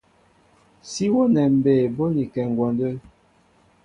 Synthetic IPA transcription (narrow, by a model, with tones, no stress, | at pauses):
si˦wɔ˦nɛ˨m̩˨be˨bɔ˦ni˨kɛ˨ŋ˨ɡwɔ˨ndə˦